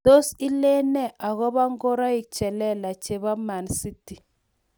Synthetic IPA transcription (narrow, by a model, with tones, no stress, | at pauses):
d̥o˦si˦lɛ˦nɛ˦˨a˨ɣɔ˦ba˦ŋɡo˦ɾa˦i˨k̚t͡ʃɛ˨lɛ˦la˨t͡ʃe˨ba˦ma˨nsi˦ti˨